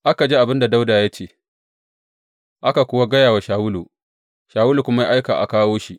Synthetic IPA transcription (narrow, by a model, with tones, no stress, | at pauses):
ʔa˦ka˨d͡ʒiː˦ʔa˨bɪ˦nda˨da˦wdaː˨ja˦t͡ʃeː˦ | ʔa˦ka˨kʷʊ˦wa˦ɡɐ˦jaː˨wa˨ʃaː˨wʊ˦lṵ˨ | ʃaː˨wʊ˦lu˨kʷʊ˦ma˦ja˦ʔa˦jkaː˨ʔa̰˨kaː˦woː˦ʃi˦ʔ